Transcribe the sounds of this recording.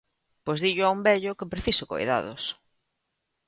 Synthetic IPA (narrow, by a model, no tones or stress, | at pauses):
pozðiʎʊaumbɛʎʊkɪpɾeθisʊko̰jða̰ðʊ̰s